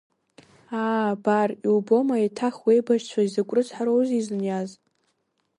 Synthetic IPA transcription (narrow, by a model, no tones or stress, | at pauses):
aːbarilbo̞maitʰaχwejbaʒt͡ɕʷʰaizɨkʷʼrɨt͡sħaɾowziznjaz